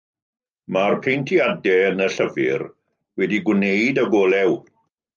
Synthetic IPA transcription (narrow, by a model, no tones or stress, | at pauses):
marpʰejntʰiadɛənəɬəvɪ̰r | wɛdiɡwneɨdəɡɔːlˠɛw